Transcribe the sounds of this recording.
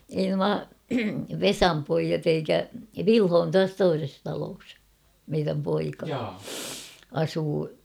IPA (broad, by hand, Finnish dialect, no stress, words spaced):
ei nuɑ ʋesɑm poijɑt eikæ ʋilho on tuɑs toises tɑloːs meiræm poikɑ ɑsuː